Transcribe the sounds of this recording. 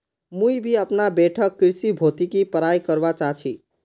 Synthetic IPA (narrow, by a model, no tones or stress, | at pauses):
mujbʱiəpnabeʈʰəkːɾisibʱot̪ikipəɾajkəɾbat͡ʃaɦt͡ʃʰi